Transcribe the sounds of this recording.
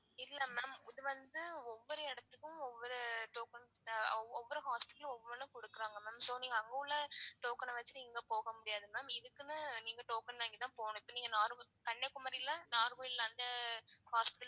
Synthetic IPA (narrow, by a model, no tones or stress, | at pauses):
ɪlːɐmɛːmɪðɯʋɐnd̪ɯɔʋːɔɾɯɛɽɐt̪ːɯkːʊ̃ɔʋːɔɾɯʈoːkɐnɔɔʋːɔɾɯɦaːspɪʈːɐlɔʋːɔɾnɯkɔɽɯkːɯɾaːŋɡɐmɛːmsoːniːŋɡɐːŋɡɐlːɐʈoːkɐnɐʋɐt͡ʃːɯʈɪŋɡɐpoːɣɐmʊɽɪjaːðɯmɛːmɪðɯkːɯnɯniːŋɡɐʈoːkɐnnaːŋɡit̪ãːpoːɳʊ̃ɪpːoniːŋɡɐnaːɾɡɯkɐɳːekːʊmɐɾɪlɐnaːɾɣoːjɪlːaːnd̪ɐhaːspɪ̥ʈːɐ